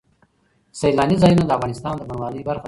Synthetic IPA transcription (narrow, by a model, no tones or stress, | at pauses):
sajlɑnizɑjunod̪əafɣɑnɪst̪ɑnd̪əbanwɑnəjbaɾxa